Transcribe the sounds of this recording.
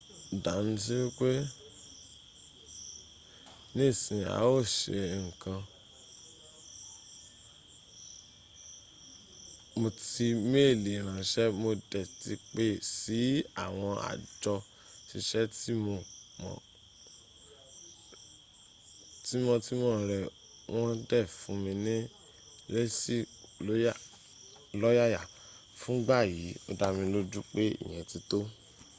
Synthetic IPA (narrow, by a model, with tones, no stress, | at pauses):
da˨˦nĩ˧s̬i˦wi˦k͡pe˦ | nĩ˦˨sĩ˨a̰˨˦o˦˨ʃḛ˨ŋ̩˨kã˧ | mo˧ti˧me˦˨li˨ɾ̃ã˨ʃɛ˦mo˧dɛ˨ti˧k͡pe˦˨si˨˦a̰˦˨w̃ɔ̃˧a̰˨d͡ʒɔ˧ | ʃi˧ʃɛ˦ti˦mõ˧mɔ̰̃˨ | ti˦mɔ̃˧ti˦mɔ̃˦˨ɾɛ˨ | w̃ʔɔ̃˦dɛ˦˨fũ˨˦mĩ˧nĩ˦ | le˦si˦lo˦ | lɔ˦ja˦ja˦˨ | fũ˨˦ɡ͡ba˦˨ji˨˦o̰˧da˧mĩ˧lo˦d͡ʒu˦k͡pe˦ḭ˦˨j̃ɛ̃˨ti˧to˦